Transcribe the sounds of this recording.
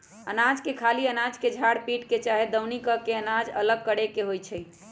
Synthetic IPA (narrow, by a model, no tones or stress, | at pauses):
ənad͡ʒkekʰaliənad͡ʒked͡ʒʱaɽpiʈket͡ʃaɦed̪əwnikəkeənad͡ʒə̰ləɡ̚kəɽekeɦojt͡ʃʰəj